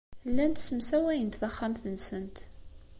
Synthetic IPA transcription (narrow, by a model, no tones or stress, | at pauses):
lːænt̪səmsæwæjənt̪θɑχːamθənsənt̪